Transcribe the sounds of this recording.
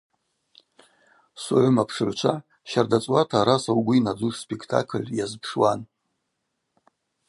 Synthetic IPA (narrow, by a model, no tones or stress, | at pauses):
suʕʷʊmapʰʂɨʕʷt͡ʃʷʰa | ʃardat͡sʼwatʰaɾasawɡʷʊinad͡zuʂspʼekʰtʰa̰kʰɨlʲjazpʰʂwan